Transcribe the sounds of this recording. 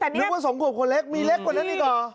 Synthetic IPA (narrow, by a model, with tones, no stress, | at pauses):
ɯ˦˥waː˥˩so˨˩˦ŋkʰu˧˩p̚kʰo˧nle˦˥˩k̚miː˧le˦˥k̚ːwa˨˩na˦˥diː˧˩kɔː˨˩